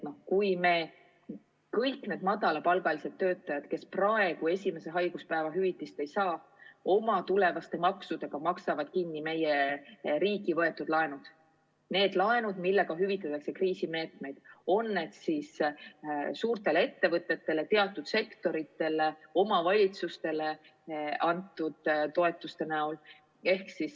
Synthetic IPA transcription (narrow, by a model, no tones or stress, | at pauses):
no̞hkujme̞ | kɤjkne̞ːd̪mɑd̪ɑlɑpɑlɡ̥ɑlise̞d̪ːø̞ːt̪ːˑɑjɑd̪̥ke̞sprɑe̞ɡ̥ue̞sʲime̞se̞ɦɑjɡ̥uspæevɑɦyvit̪ːˑist̪e̞jsɑː | o̞mɑt̪ule̞vɑst̪e̞mɑksud̪̥eɡ̥ɑmɑksɑvɑd̪̥kinːime̞jeɾiːɡivɤe̞t̪ːˑud̪̥lɑe̞nud̪̥ | ne̞ːd̪̥lɑenud̪̥milːe̞ɡ̥ɑɦyvit̪ːˑɑt̪ːˑɑkse̞kriːsime̞ːt̪me̞jd̪̥o̞nːe̞d̪̥sis | suːɾt̪e̞leet̪ːe̞vɤt̪ːˑe̞t̪ːe̞le̞t̪e̞ɑt̪ːˑud̪̥se̞kt̪o̞ɾit̪ːe̞leo̞mɑvɑlʲit̪sust̪e̞le | ɑnt̪ːˑud̪̥t̪o̞e̞t̪ˑːust̪e̞næol | e̞hksis